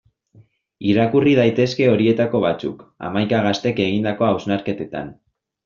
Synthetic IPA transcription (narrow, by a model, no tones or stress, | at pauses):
iɾakuriðajt̪e̞ske̞o̞ɾie̞t̪ako̞β̞at͡sṵka̰majkaɣ̞ast̪e̞ke̞ɣ̞ind̪ako̞awznaɾke̞t̪e̞t̪a̰n